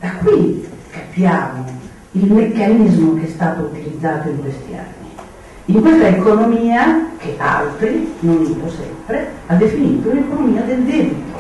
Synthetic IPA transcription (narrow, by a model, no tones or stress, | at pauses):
d̪̥akwikapːjaːmo | ilmekːanizmokeɛst̪aːt̪out̪ilid̪zːaːt̪oiŋkwest̪ia̰nːi | iŋkwest̪aekonomiːakʰeʔa̰lt̪ɾinoniːnosɛ̰mpɾead̪ːefiniːt̪ounekonomiːad̪eld̪ɛbit̪o̥